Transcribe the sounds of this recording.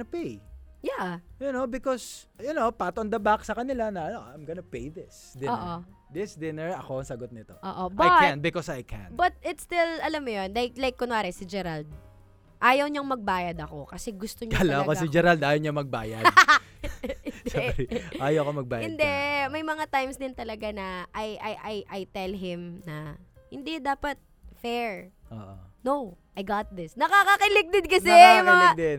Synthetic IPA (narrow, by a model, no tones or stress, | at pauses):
ɐpejjajʊnobɪkɔsjʊnowpat̪oɐnd̪ɐbaksɐkɐnɪlanɐɐnoʔɐ̰ɐmɡɐnɐpejd̪ɪs | d̪ɪonːʔo | d̪ɪsd̪ɪnɛɹɐko̞ɐŋsɐɡot̪̚nɪt̪o̞ʔoːʔobajɐkãnbɪkɔsajkʰæ̰nbɐt̪̚ɪt̪st̪ɪlɐlɐmːʊjonlajk̚lajkːʊnwaːɾɛsɪd͡ʒɛɾald̪̚ | ʔaːjɐwɲɐŋmɐɡ̚baːjɐd̪ɐko̞kɐsɛɡʊst̪oɲɐlakɐsɪd͡ʒɛɾald̪aːjɐwɲɐmɐɡ̚ba̰ːjɐd̪̚ | ɪnd̪ɛʔaːjɐkomɐɡ̚baːjɪnd̪ɛmɐjmɐŋat̪ajmsd̪ɪnt̪ɐlɐɡanɐʔɐjʔɐjʔɐjʔɐjt̪ɛlɦɪmnɐhɪnd̪ɛd̪aːpɐt̪̚ | fɛɹ | ʔo̰ːʔo | nowʔɐjɡat̪̚ðɪsnɐkakɐkɐlɪk̚d̪ɛd̪̚kɐsɛjʊŋmɐŋad̪ɛn